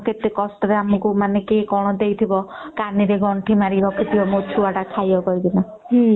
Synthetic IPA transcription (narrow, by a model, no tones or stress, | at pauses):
ket̪ekɔsʈɔɾeamɔkumanekekɔɽ̃ɔd̪ejt̪ʰibɔkaniɾeɡɔɳʈʰimaɾiɾɔkʰit̪ʰibɔmot̪ʰuaʈakʰajɔkɔɾid̪ina